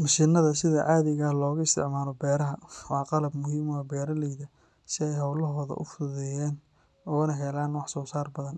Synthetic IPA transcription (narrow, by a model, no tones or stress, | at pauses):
mɐʃɪnɐðɐsɪðɐʕɑːðɪɣɐlɔːɣʊɪst̪ʰɪ̰ʕmaːlɔbɛːɾɐɦɐwɑːqɑlɐbmʊɦiːmɔbɛːɾɐlɛjɡɐ | sɪɛjhɐwlɐɦɔːðɐ̰ʔʊfʊðɛjɛːn | ɔːnɐɦɛlaːnwɑħsɔːsaːrbɐðɐn